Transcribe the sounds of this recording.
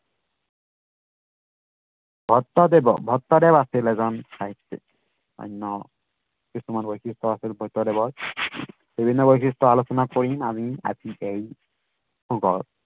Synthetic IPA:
bʱɔt̪ːɔdɛbɔ̰bʱɔt̪ːɔdɛbasilɛzɔnsaɦit̪ːḭ | ɔ̰jnːɔ | kisumanbojkʰistʰɔasilbʱɔjt̪ːɔdɛbɔɹ | b̥ibʱinːɔbojkʰistɔalosɔnakoɹima̰mia̰ziʔej | xʰuɡɔɹ

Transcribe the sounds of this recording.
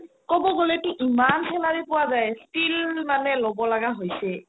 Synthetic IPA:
kɔbɔɡolɛtʊʔimansʰɛlaɹipʊwazajstilmanɛlɔbɔlaɡaɦojsɛ

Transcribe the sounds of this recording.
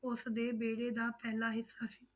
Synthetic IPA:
ʊsd̪eːbeːɽeːd̪aːpɛːlaːɦɪsːaːsi̥ː

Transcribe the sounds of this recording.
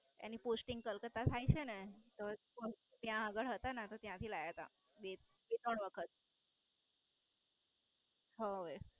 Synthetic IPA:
ḛniposʈiŋɡ̚kəlkət̪at̪ʰajt͡ʃʰenet̪o | ot̪jãəɡəɭɦət̪anat̪ot̪jãt̪ʰilajət̪a̰ | be | bet̪əɳʋəkʰət̪̚ | ɦəe

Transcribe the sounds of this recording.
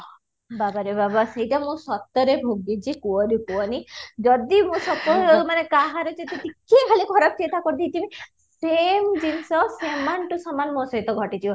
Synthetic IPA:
babaɾebabasejʈamũsɔt̪ːɔɾebʱuɡid͡ʒikuɔɾikuɔnid͡ʒɔd̪imũsɔp̪ɔmanekaɦaɾɔt͡ʃet̪iʈ̪ikʰːekʰaliɡʱɔɾɔb̚t͡ʃet̪akɔɾd̪it̪ime | semd͡ʒinsɔsemanʈusɔmanmɔ̃sɔɦit̪ɔɡʱɔʈit̪ʰi

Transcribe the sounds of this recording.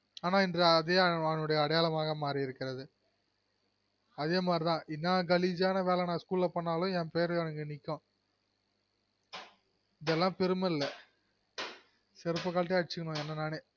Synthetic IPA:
aːnaːɪndrɐɐðeːɐɐnːɯɽɐjɐːɽɐjaːlɐmaːɣɐmaːɾiɪɾɯkːɪɾɐðɯ | ɐðeːmaːd̪ɾɪt̪ãːʔɪnːãːɡɐlid͡ʒaːnɐʋeːlɛnãːskuːlɪlɐpɐɳːaːlʊ̃ɛːpeːɐɾɐnɐŋɡɯnɪkːõː | ɪðɛlːãːpɛɾɯmɐɪlːɐ | sɪɾɯpːɐkaːʈ̬ːɐɽɪt͡ʃːɯkːɐɳʊ̃ɛnːɐnaːneː

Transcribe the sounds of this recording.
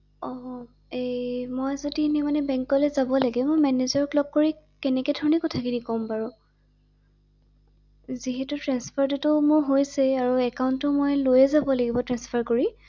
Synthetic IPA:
ɔ | emojzodinimanɛbɛ̃ŋkɔlɛzabɔlaɡɛmojmɛnezaɹɔklɔb̚koɹi | kɛnɛkɛdʱɔɹɔnɛkɔtʰakinikɔmpaɹʊ | ziɦɛtʊtɹɛnspʰaɹtutʊmʊɹɦojsɛaɹuɛkaʊntʊmojlojɛzabɔlaɡibɔtɹɛnspʰaɹkoɹi

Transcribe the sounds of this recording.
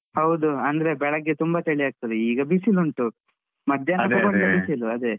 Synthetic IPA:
hɐwd̪uɐnd̪ɐɾe̞bɛɭɐɡːet̪umbɐt̪eɭiɦaːɡ̚t̪ɐd̪eiːɡɐbisiluɳʈu | mɐd̪ʱjɐnɐd̪ɐkɐndɐbisiluɐd̪e

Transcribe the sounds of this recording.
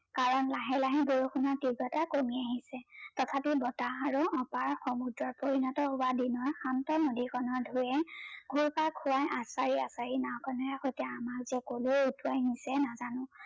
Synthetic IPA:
kaɹɔnlaɦɛlaɦiɡoɹuxunɔtiɡɔtakomiaɦisɛtɔtʰapibɔtaaɹuɔpaɹxɔmudɹɔɹpoɹinɔtɔɦʊwadinɔɹxantɔnodikʰɔnɔɹdʱujɛɡʱuɹpakʰʊwajʔasaɹiasaɹinawkʰɔnɔjaxojtɛamakzɛkoloutʰuajnisɛnazanʊ̃

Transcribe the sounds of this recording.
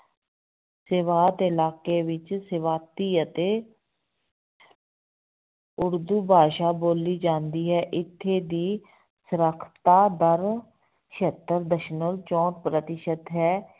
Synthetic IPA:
sɪʋaːt̪ɪlaːkeːʋɪt͡ʃsɪʋaːt̪iːət̪eː | ʊɾd̪uːbʱaːʃaːboːliːd͡ʒãːnd̪iːɦɛːʔɪt̪ʰːeːd̪iː | səɾəkʰt̪aːd̪əɾ | ʃət̪ːəɾd̪əʃnolt͡ʃɔ̃ːʈ̚pɾət̪ɪʃət̪ɦɛː

